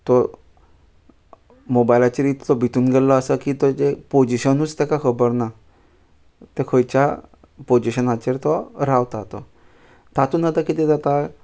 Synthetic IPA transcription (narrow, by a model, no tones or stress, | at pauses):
t̪ɔ | mobajlat͡ɕəɾit̪tɔbʱit̪uːnɡellɔəsəkit̪ɔd͡ʑepod͡ʑiɕənuːt͡st̪ekakʰəbəɾna | t̪ekʰojt͡ɕa | pod͡ʑiɕənat͡ɕeɾt̪ɔɾawt̪at̪ɔ | t̪at̪uːnat̪akit̪ɛd͡z̪at̪a